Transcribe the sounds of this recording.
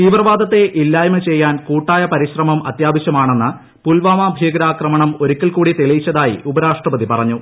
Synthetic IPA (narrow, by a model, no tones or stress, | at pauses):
t̪iːʋrɐʋaːd̪ɐt̪ːe̞ʔilːaːjɐmɨt͡ɕe̞jːaːnkuːʈːaːjɐpɐɾiɕrɐmɐmɐ̰t̪jaːbɐɕjɐmaːɳe̞nːɨ | pulʋaːmaːbʱjiːɡɾaːkrɐmɐɳɐmo̞ɾukʲːilkuːɽit̪elɐjit͡ɕːɐðaːjḭubɐɾaːʂʈrɐpɐðipɐrɐɲːu